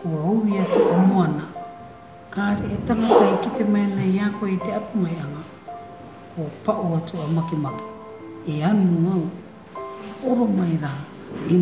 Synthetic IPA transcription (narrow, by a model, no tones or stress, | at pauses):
koowiatuamoana | kaːɾeetamatajkite̞maenajaːkoejteapumajaŋa | kopaʔoatuamakimaki̥ | eanuuaw | oɾomajɾa | i